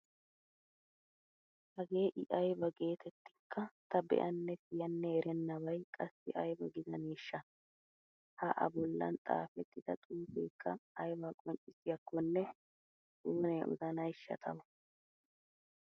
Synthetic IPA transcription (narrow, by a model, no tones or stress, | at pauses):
hɐɡe̞ːʔɪʔɐjbɐɡe̞ːt̪ʰɛt̪ːɪ̥kʰːɐt̪ɐbɛ̰ʔɐnːɛsɪjɐnːɛɛɾʔɛnːɐβɐjkʼɐsːɪ̰ʔɐjbɐɡɪzɐneːʃːɐ | hɐʔɐ̰bɔlːɐ̰nt̪ʼa̰ːfɛt̪ːɪd̪̥ɐt̪ʼuːfḛːkʰːɐːjbɐkʼɔɲt͡ʃʼɪsɪjɐkːɔnːɛ | tʼuːneːʊ̰zɐnɐjʃːɐ̰t̪ʰɐwɐ